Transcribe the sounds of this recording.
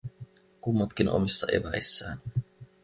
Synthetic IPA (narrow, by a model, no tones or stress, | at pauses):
kumːɑt̪k̟inʔo̰misːɑʔḛbæisːæ̰ːn